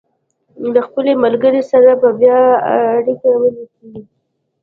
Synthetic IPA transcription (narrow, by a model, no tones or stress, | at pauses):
d̪əxpəlemalɡəɾesaɾababjɑaːɽikawənakeɡi